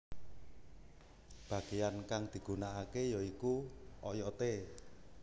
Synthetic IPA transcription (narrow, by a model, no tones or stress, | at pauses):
b̥ä̤ɡ̥ejankaŋd̪̥i̤ɡ̥ṳnaakejɔikuɔjɔt̪e